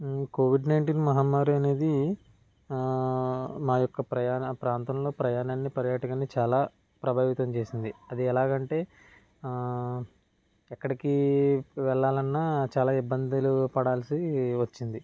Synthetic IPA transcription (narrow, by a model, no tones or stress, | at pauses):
koːʋiɖnɐjɳʈiːnmɐɦaːmːaːɾuɐne̞ːd̪i | maːjɔkːɐpɾɐjaːnɐpɾaːnt̪ɐmlo̞ːpɾɐjaːnaːnːipɐɾjaːʈɐkɐnit͡ʃaːlaː | pɾɐbʱaːʋit̪ɐmt͡ʃe̞ːsind̪iɐd̪iɛlaːɡɐɳʈe̞ː | ɛkːɐɽikiʋɛɭːaːlɐnːaːt͡ʃaːlaːibːɐnd̪ilupɐɽaːlsiʋɐt͡ʃːind̪i